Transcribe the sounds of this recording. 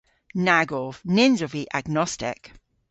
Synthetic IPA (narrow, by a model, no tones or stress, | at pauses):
naɡɔv̥nɪnzɔviʔaɡnɔstɪ̰k